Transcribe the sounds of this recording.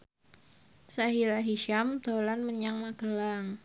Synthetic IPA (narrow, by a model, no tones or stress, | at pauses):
saɦilaɦiʃamt̪olanməɲaŋmaɡəlaŋ